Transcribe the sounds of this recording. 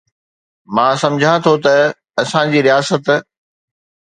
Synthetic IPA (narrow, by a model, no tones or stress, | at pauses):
mãːsɐ̃md͡ʑʱãt̪ʰot̪ɐ | ɐsãd͡ʑiːɾijaːsət̪